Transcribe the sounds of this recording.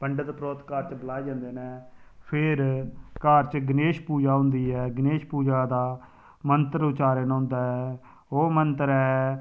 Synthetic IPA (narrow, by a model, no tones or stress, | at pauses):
pəɳɖd̪pɾoːt̪kaːɾt͡ʃbəlaːid͡ʒãːnd̪eːneːpʰɪɾkaːɾt͡ʃɡəneːʃpuːd͡ʒaːɦʊ̃nd̪iːɦɛːɡəneːʃpuːd͡ʒaːd̪aː | mənt̪əɾt͡ʃaːɾeːnːɦʊ̃nd̪aːɦɛː | oːmənt̪əɾɛː